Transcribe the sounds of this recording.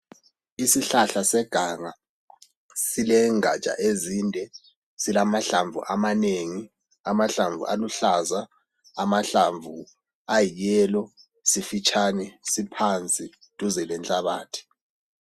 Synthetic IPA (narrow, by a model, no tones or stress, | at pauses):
isiɬaɬasɛɡ̥ʱaŋa | silɛŋa̰̥t͡ʃʼa̰ʔezindʱɛ | silamaɬaɱvṵʔamaneːŋi | amaɬaɱvṵʔa̰luɬazaː | maɬaɱvu | ajijɛːlɔ | sifit͡ʃʰʼanɛsipʰant͡sʼi | tʼuzɛlɛnt͡ɬʼaβaːtʰi̥